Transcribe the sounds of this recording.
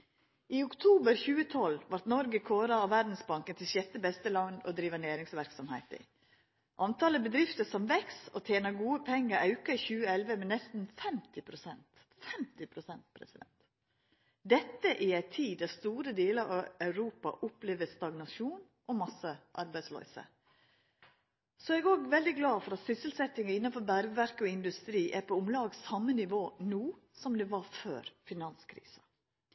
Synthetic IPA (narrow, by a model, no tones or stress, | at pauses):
iʊkt̪ʰuːbəɾçʉːət̪ʰɔlʋɑɾt̪nɔɾɡəkʰoːɾɑɔʋæɾd̪n̩sbɑŋkənt̪ɪlʃɛt̪ːəbɛst̪əlɑnɔ̰d̪ɾiːʋɑnæːɾɪŋsʋæɾksɔmhæɪt̪əɪ̰ | ʔɑnt̪ʰɑːləbəd̪ɾɪft̪əsɔmʋɛksɔt̪ʰjeːnɑɡuːəpʰɛŋːəɾɑʉkɑiçʉːəɛlʋəmɛnɛst̪n̩fɛmt̪ɪpʰɾʊsɛnt̪ | fɛmt̪ɪpʰɾʊsɛnt̪̚pʰɾɛ̰sɪd̪ɛ̰nt̪ | d̪ɛt̪ːəʔɪæɪt̪ʰiːd̪æst̪uːɾəd̪eːləɾɑɑʉɾuːpɑ̰ʔʊpleːʋəst̪ɑɡnɑʃuːn | ʔɔmɑsəʔɑ̰ɾbæɪslœ̰ʏsə̰ | sɔɛɡoːɡʋɛld̪ɪɡlɑːfɔɾɑt̪sʏsəlsɛt̪ːɪŋɑɪnːɑnfɔɾbæɾɡəʋæɾkəɔɪnd̪ʉst̪ɾiːʔæɾpʰɔʊmlɑːɡsɑmːənɪʋoːnuː | sɔmd̪ɛʋɑɾfø̰ːɾfɪnɑnskʰɾḭːsɑ